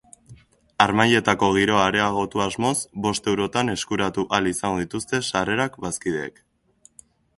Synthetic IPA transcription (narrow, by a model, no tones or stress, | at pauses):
aɾmaje̞t̪ako̞ɣ̞iɾo̞aɾe̞aɣ̞o̞t̪uazmo̞zbo̞st̪e̞wɾo̞t̪ane̞skuɾat̪uʔalisaŋɡoðit̪ust̪e̞sare̞ɾakbaskiðḛːk